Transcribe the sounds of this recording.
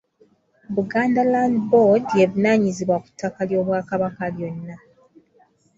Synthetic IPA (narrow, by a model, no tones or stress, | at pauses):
βuɡaːndalaːndbodjeβinaːɲiziβwaku̥tʰːakaljo̞ːβwaːkaβakaljonːa